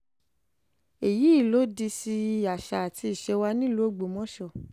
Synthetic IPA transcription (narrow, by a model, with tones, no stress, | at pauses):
e˨ji˨˦i˦˨lo˦di˧si˧˦a˨ʃa˨a˨ti˧i˨ʃɛ˧wa˧˦nĩ˦lu˦o˦˨ɡ͡bo˨mɔ̃˦ʃɔ˦˨